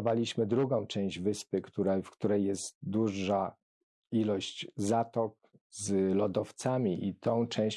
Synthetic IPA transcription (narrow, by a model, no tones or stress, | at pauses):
valʲiɕmɘd̪ɾuɡɔ̃w̃t͡ʂɛ̃w̃ʑd͡ʑvɘspɘkt̪uɾafkt̪uɾɛjjɛst̪̚d̪uʐa | ilɔɕt͡ɕzat̪ɔk̚ | zlɔd̪ɔft̪samʲiʔit̪ʰɔ̃w̃t͡ʂɛ̃w̃ɕ